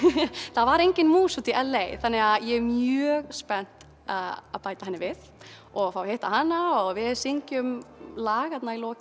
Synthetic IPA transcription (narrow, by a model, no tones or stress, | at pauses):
θaðvaɾejɲcɪnmuːsut̪iʔɛlːejθanːɪɣaðjɛmjœːɣspɛn̥t̪ | aðaðpaːjt̪ḁhanːɪvɪð | ɔɣfawheht̪aɦanːaɔɣvɪðsiɲcʏmlaːɣat̪nailɔː